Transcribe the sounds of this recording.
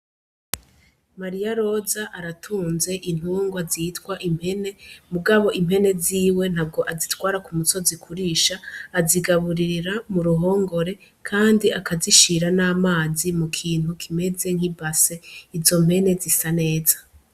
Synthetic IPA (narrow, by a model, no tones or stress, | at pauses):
maɾijaɾo̞zaʔaɾatʰuːnze̞ʔin̥uːŋɡwaziːtkwaʔim̥he̞ne̞muɡaβo̞ʔimhe̞ne̞ziːwe̞n̥ab̚ɡo̞ʔazitwaːɾakumuso̞zikʰuɾiːʃaːziɡaβuɾiɾiɾamuɾuɦo̞ːŋɡo̞ɾe̞ | kʰaːndiakaziʃiɾanaːmaːzimukʰiːn̥ukʰime̞ze̞ŋ̥hibase̞izo̞m̥he̞ne̞zisane̞ːzḁ